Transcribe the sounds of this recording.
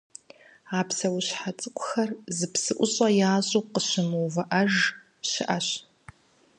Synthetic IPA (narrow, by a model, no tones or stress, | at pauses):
aːpsɐwʊɕħat͡sʼɨkʷʰʼʊxɐrzɨpsɨʔʷʊɕʼɐjaːʑʼoqəɕɪmɨwvɐʔɐʒ | ɕɪʔɐɕ